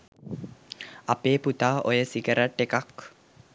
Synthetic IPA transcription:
apeput̪ao̰jəsiɡəɾaʈːekak

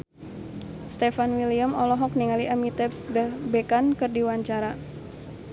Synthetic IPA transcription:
st̪ɛfanwiliamɔlɔɦɔk̚niŋaliʔamit̪ɛpsbəbekankɨrdiwaɲt͡ʃaɾa

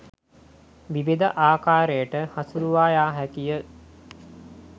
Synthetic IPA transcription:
ʋiʋid̪əʔaːkaːɾejəʈəhasuɾuʋaːjaːɦækijə

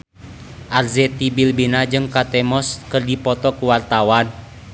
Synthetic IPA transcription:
ʔarzɛt̪ibilbinad͡ʒɨŋkat̪ɛmɔskərdipɔt̪ɔkuwart̪awan

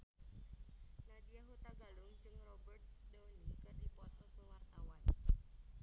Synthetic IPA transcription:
nad̪ijaɦut̪aɡalʊŋd͡ʒɨŋrɔbərt̪̚dɔnikɨrdipɔt̪̚ɔsəwart̪awan

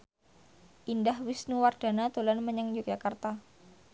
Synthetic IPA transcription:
ʔindahwisnuward̥a̤nat̪olanməɲəŋjuk̚d͡ʒakart̪a

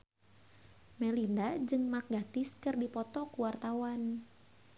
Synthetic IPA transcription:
mɛlindad͡ʒɨŋmak̚ɡat̪ɪskɨrdipɔt̪ɔkuwart̪awan

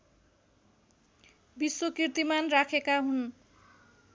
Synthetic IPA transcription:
biswokirt̪imanrakʰekaɦun

